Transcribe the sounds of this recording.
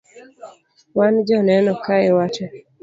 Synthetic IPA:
wand͡ʒɔnɛnɔkaewat͡ʃɔ

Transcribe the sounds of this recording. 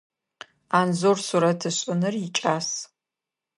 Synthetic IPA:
aːnzorsuɾɐtʰɨɕʼɪnɨrɪt͡ʃʼaːs

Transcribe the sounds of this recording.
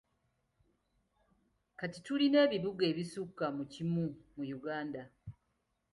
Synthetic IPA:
katituline̞ːβiβuɡe̞ːβisukːamucimumujuɡaːnda

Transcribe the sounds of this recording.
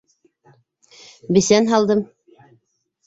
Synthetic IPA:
bɘ̆sænɦɑlˠd̪ɤm

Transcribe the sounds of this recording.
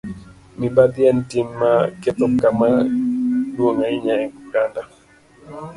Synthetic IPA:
mibad̪jɛntimːaket̪ɔkːama | dwoŋaiɲaɛɡuɡanda

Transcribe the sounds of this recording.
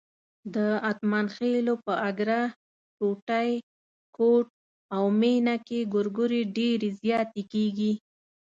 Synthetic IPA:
d̪əat̪manxelopəaɡɾa | koʈaj | koʈ̚ | awmenakeɡʊɾɡʊɾeɖeɾezjɑt̪ekeɡi

